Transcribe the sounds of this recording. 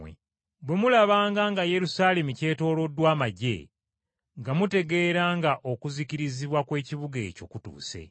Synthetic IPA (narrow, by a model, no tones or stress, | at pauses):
ḛ | bwe̞mulaβaːŋɡaŋɡaje̞ɾusaːle̞muce̞ːto̞ːlo̞dwaːmaɟḛ | ŋɡamute̞ɡe̞ːɾaːŋɡaʔo̞kuziciɾiziβwakwe̞ːciβuɡe̞̰ːco̞kutṵːse̞̰